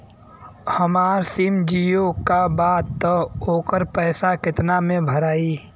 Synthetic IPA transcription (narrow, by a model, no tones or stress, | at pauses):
hɐmaːɾsimd͡ʒijokabaːt̪ːoːkəɾpɛːsakɪt̪namẽbʱɐɾaːiː